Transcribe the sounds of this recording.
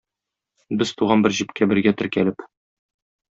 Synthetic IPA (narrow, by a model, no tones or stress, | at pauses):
bɘz̥t̪uʁɑnbɘɾʑipkæbɘ̆ɾɡæt̪ɘ̆ɾkælɘp